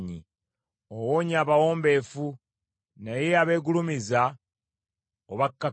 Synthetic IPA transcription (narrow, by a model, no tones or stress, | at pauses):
ɲi | owoːɲaːβawo̞ːmbe̞fu | najeaβe̞ːɡulumiza | oβakːa